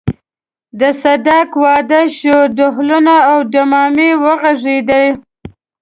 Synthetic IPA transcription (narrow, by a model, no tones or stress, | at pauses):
d̪əsad̪ɑkwɑd̪əʃoɖʊɦlʊnaːwɖamɑmewəɣaʐed̪aj